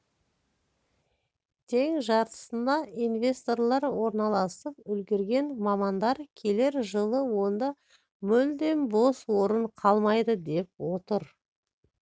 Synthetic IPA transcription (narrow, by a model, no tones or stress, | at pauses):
t̪ʰe̞ŋʒɑɾt̪ə̥sənɑinvʲe̞st̪o̞ɾlˠɑɾwo̞ɾnɑlˠɑsəp̚ʏlɡʲeɾɡʲe̞nmɑmɑnd̪ɑɾkʲʰe̞le̞ɾʒəlˠəwo̞nd̪ɑ | mʏld̪e̞nbo̞swo̞ɾəɴqʰɑlˠmɑjd̪əd̪e̞p̚wo̞t̪əɾ